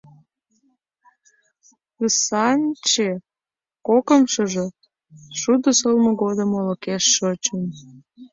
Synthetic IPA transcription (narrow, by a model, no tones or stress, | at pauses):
əsɑnʲt͡ɕe | kokəmʃəʒe | ʃud̪əsəlmŏɣod̪əmoləkeʃːot͡ɕən